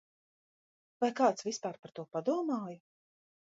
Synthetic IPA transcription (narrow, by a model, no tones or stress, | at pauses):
vajkaːt̪svispaːɾpaɾt̪uɔpad̪uɔmaːjʊ